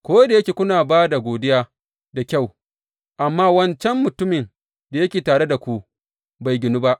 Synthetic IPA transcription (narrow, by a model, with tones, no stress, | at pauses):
kʷoː˦da˨jɐ˦kʲeː˨kʷʊ˦naː˨baː˦da˨ɡʷoː˨dɪ˦jaː˦ | da˨kʲa˦˨w | ʔa˨mːaː˦wɐ˦nt͡ʃɛ˦mːʊ˨tʊ˦mɪ˨n | da˨jɐ˦kʲeː˨taː˨ɽe˦da˨kʷu˨ʔ | ba˨jɡʲɪ˨nu˦ba˦ʔ